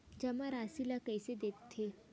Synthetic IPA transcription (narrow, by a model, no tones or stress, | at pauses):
d͡ʒɐmãɾaːsilakɛːsed̪eːkt̪ʰːeː